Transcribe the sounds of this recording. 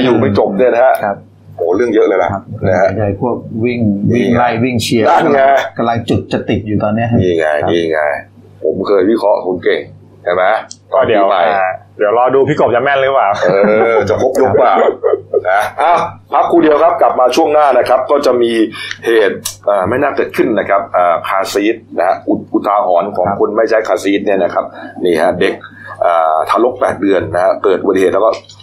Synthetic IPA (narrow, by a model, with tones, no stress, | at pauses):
a˧juː˨˩ma˥˩jt͡ɕo˨˩m̚nu˥˩˨na˦˥ɦɛ˦˥ʔkʰa˦˥p̚ | ʔoː˨˩˦ɾɯ˥˩əŋjɤ˦˥lɤː˧jla̰˨˩a˦˥˩kn˧a˦˥ɦa˦˧˩t͡ɕa˧˩˧jpʰu˥˩ək̚wi˥˩ŋwi˥˩˥ŋla˧jwi˥˩ŋt͡ɕʰi˧əa˥˩aŋaː˧ka˧mla˧ŋt͡ɕu˨˩t̪̚t͡ɕa˨˩t̪i˨˩t̪̚juː˨˩t̪ɔː˧nːi˦˥ɐa˦niː˧˩ŋa̰˧jniː˧˩ŋa̰˧j | pʰo̰˩˦mkʰɤː˧jwi˦˥kʰɾɔ˦˥ʔkʰu˧nke˨˩ŋ | t͡ɕʰa˦˥˩jma˦jt̪ɔɔː˥˩di˨˩˧wpa˧ja˧˩diː˨˦əwlɔː˧duː˧pʰiː˦˥˩ko˨˩p̚t͡ɕa˧˩mɛ˥˩nlɯ˦˥paː˨˩wʔɤː˧t͡ɕa˨˩pʰo˦˥p̚jo˦˥k̚waː˨˩wna˦˥ʔa˧˩wpʰa˦˥kʰːuː˧di˧əwkʰa˦˥p̚ka˨˩p̚maː˧t͡ɕʰu˥˩əŋnaː˥˩na˦˥kʰɾa˦˥p̚kɔː˥˩t͡ɕa˨˩miː˧heː˨˩t̪̚ʔaː˨˩ma˥˩jnaː˥˩kɤː˨˩t̪̚kʰɯ˥˩nːa˦˥kʰa˦˥p̚ʔaː˨˩kʰaː˧siː˦˥t̪̚na˦ha˦˥ʔu˨˩ʔu˨˩t̪ʰːaː˧ɦɔː˩˦nkʰɔː˩˦ŋkʰo˧nma˥˩jt͡ɕʰa˦˥˩jkʰaː˧siː˦˥t̪̚ni˥˩ɐna˦kʰa˦˥p̚niː˥˩ha˦˥de˨˩k̚ʔaː˨˩t̪ʰaː˧lo˦˥k̚pɛː˨˩t̪̚dɯ˧ənːa˦˥ha˦˥kɤː˨˩t̪ʔu˧˩˨eː˨˩t̪lːkɔː˥˩